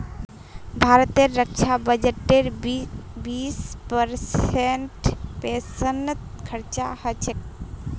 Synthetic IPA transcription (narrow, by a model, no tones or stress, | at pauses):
bʱaɾət̪eɾːək̚t͡ʃʰabəd͡ʒəʈeɾ | bispəɾsenʈpesənt̪kʰəɾt͡ʃa̰hət͡ʃʰek̚